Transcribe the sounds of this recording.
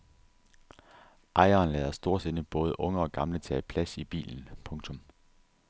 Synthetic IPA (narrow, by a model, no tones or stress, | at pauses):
ʔɑ̈ɪɐːnlɛːðˠɐsd̥o̝ɐ̰sed̥əb̥ɔ̽ːð̞ˠəʔɔ̽ŋəɒ̽ɡ̥ɑ̈mlət͡sʰɛ̰ːpʰlæsib̥ḭːln̩pʰɔ̽ŋt͡sʰɔ̽m